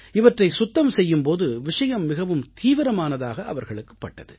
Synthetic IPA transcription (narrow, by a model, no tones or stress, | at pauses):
ɪʋɐʈrɐɪsʊt̪ːɐmsɛjːɯmpoːðɯʋɪʂɐjɐmːɪɣɐʋɯmt̪iːʋɪɾɐmaːnɐðaːɣɐʔɐʋɐɾɣɐɭɯkːɯ̥pːɐʈːɐðɯ